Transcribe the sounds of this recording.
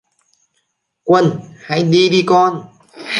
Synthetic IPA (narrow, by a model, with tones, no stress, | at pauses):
kwə˧nha˧˩jɗi˧ɗi˧kɔ˧n